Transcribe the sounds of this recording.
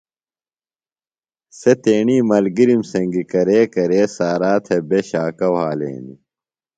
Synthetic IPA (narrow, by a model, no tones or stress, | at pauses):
set̪eːɳiːmɐlɡiɾimsɐ̃ŋɡikɐɾeːkɐɾeːsaːɾaːt̪ʰebeɕaːkɐwɦaːlḛːni